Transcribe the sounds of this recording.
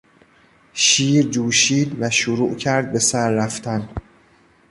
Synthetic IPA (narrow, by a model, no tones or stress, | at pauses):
ʃiːɾd͡ʒuːʃiːd̪væʃoɾuːʔcʰæɾd̪̚be̞sæɾːæft̪ʰæn